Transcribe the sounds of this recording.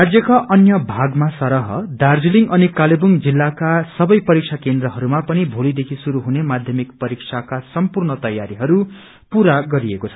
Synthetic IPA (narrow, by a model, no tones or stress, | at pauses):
rad͡zjʌkaʔʌnjʌbʱaɡmasʌɾʌɦʌ̰d̪ard͡ziliŋɡʌnikalebuŋd͡zilːakasʌbʌjpʌɾik̚t͡sʰakend̪ɾʌɦʌɾumapʌnibʱolid̪ekʰisuɾuɦunemad̪ʱjʌmikpʌɾik̚sʰakasʌmpurnʌt̪ʌjaɾiɦʌɾu | puɾaɡʌɾiekot͡sʰʌ̥